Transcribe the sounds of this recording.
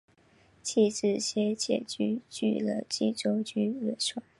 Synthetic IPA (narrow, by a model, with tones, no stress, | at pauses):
t͡ɕʰi˥˧ʈ͡ʂɻ̩˥˧ɕjɛ˥t͡ɕjɛ̰˨˩t͡ɕy˥t͡ɕy̰˥˩lə̰˦t͡ɕḭ˥˩ʈ͡ʂo˥ʊt͡ɕy˥ɻə˥˧˩ʂa˥˩˦